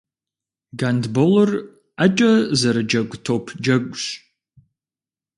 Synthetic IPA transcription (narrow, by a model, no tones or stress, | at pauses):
ɡandbolɨr | ɐt͡ʃʼɐzɐɾɐd͡ʒɐɡʷtʰoːpʰd͡ʒɐɡʷʼɕʼ